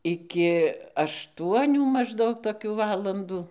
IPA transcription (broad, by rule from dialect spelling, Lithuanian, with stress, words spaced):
ˈɪkʲɪ ɐʃˈtuɔnʲuː mɐʒˈdɐʊk toːˈkʲuː ˈʋɑːlˠɐnduː